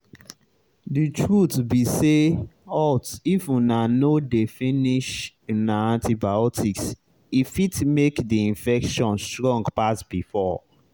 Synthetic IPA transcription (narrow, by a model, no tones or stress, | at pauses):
ditɹutbiseɔtifunanodefĩniʃ | unaãntibaɔtʰiks | ifitmekdiĩnfɛkʃɔ̃nstɹɔ̃ŋɡpasbifɔ